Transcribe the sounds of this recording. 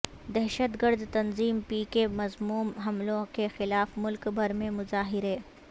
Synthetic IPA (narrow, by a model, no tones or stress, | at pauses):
d̪ɛɦʃət̪ɡəɾd̪t̪ɐnziːmpiːkemɐzmuːmɦɐmlõkexɪlaːfmʊlkbʱɐɾmẽmʊzaːɦɪɾeː